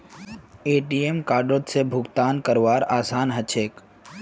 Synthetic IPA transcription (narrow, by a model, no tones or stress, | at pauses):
eːʈiemkaːɖot̪sebʱʊɡt̪aːnkəɾʋaːɾaːsaːnɦət͡ʃʰeːk